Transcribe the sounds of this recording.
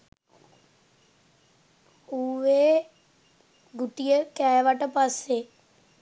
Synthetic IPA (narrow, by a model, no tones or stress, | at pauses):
uːʋe | ɡuʈijəkɛeʋaʈəpase